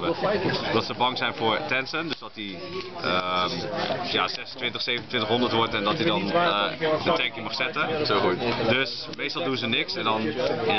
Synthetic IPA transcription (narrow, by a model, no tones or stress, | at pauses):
bəd̥ɑtsəbɑŋzɛjnvʊːɹtɛnsəndøzdɑti | ə | ja̰ːzɛsəntʋɪntəχsejvənəntʋɪntəχɦɔndəɹtʋɔɹtɛndɑtidɑn | ətɛŋkiŋmɑχsɛtəsoutdøs | mejstɑlˠdunzənɪksɛndɑna